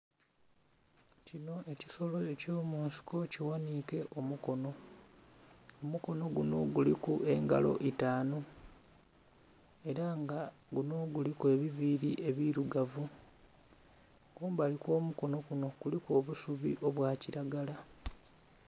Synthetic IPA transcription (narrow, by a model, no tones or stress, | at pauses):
cino̞ʔe̞ciso̞lo̞e̞co̞ːmuːnsi̥ko̞ciwaniːke̞ʔo̞muko̞no̞ | omuko̞no̞ɡuno̞̰ɡulikuʔe̞ŋɡa̰lo̞̰ʔitaːno | e̞ɾaŋɡa | ɡuno̞ɡulike̞ːβiviɾiʔe̞βiɾuɡavu | kuːmbaliko̞ːmuko̞no̞kuno̞ɡ̥uliko̞ːβusuβḭʔoβwaːciɾaɡala